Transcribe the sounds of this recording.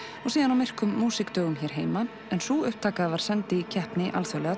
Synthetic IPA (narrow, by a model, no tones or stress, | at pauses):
ɔsiːðanawmɪr̥kʏmːuːsɪkt̪œːɣʏmçɛɾ̥ɦeːjma | ɛnsuʏhp̚t̪ʰaːkaðavaɾ̥sɛnt̪ɪcʰɛhpnɪʔa̰lθœlɛɣa